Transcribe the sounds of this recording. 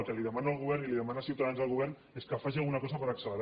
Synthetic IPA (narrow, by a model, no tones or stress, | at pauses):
lˠkəliðəmanaəːlˠɣuβ̞ɛɾniliðəmanasiwt̪aðanzðəlˠɣuβɛrn | eskəfaʒialˠɣunakɔzapəɾəksələɾ